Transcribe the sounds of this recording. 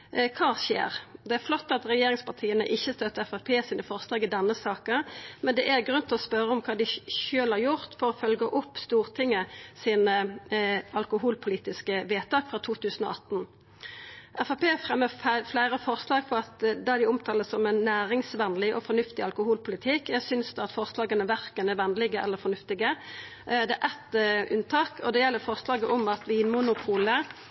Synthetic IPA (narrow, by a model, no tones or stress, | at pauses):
kʰɑːʃḛːʁd̪ɛæɾflɔt̪ːɑt̪ʁɛjeːɾɪŋspɑʁt̪ʰiːənə̰ʔɪçːəst̪œt̪ːəɛfɑpʰeːsiːnəfɔʁslɑːɡɪd̪ɛnːəsɑːkəmɛnd̪ɛʔæɾɡʁʉnt̪ʰɪlɔspœɾəɔmkʰɑːd̪ɪʃøːlhɑɾjʊʁt̪fɔɾɔfœlɡəʔʊpːst̪uːʁt̪ʰɪŋːəsiːnə | ɑlkʊɦuːlpʰʊliːt̪ɪskəʋeːt̪ʰɑːkfɾɑːt̪ʰuːt̪ʰʉːsən̩ɔ̰ʔɑt̪ːn̩ | ʔɛfɑpeːfʁɛmːəflæɪɾəfɔʁslɑːɡfɔɾɑt̪d̪ɑd̪ɪʊmt̪ʰɑːləsɔmɛnːæːɾɪŋsʋɛnlɪʔɔ̰fɔnʉft̪ɪɑlkʊhuːlpʰʊlɪt̪ʰɪkjæsʏnsd̪ɛɑt̪fɔʁslɑːɡənəʋæʁkənɛɾʋɛnlɪɡəʔɛ̰lːəɾfɔɾnʉft̪ɪɡə | d̪ɛæʔɛt̪ʔʉnt̪ʰɑːkʰɔd̪ɛjɛlːəɾfɔʁslɑːɡəʔɔmɑt̪ʋiːnmʊnʊpʰuːlə